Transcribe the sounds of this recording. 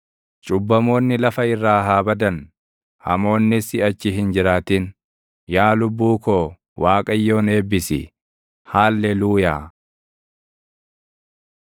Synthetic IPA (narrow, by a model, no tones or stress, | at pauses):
t͡ʃʼʊbːɐmo̞ːnːɪlɐfɐɪrːaːɦaːbɐd̪ɐn | hɐ̰mo̞ːnːɪsɪɐt͡ʃːɪɦɪnd͡ʒɪɾaːt̪in | jaːlʊbːuːkoː | waːkʼɐjːo̞ːne̞ːbːɪsɪ̰ | haːlːɛluːjaː